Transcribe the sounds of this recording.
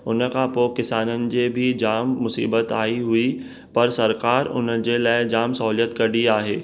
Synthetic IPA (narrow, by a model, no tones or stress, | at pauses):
ʊnə̆kʰãːpoːkɪsaːnənɪ̆d͡ʑeːbʱɪd͡ʑaːmːʊsḭːbət̪aːiɦui | pɐɾsɐɾkaːɾʊ̰nəd͡ʑelaːɪd͡ʑaːmsɐɦuːlijət̪kɐɗiaːɦeː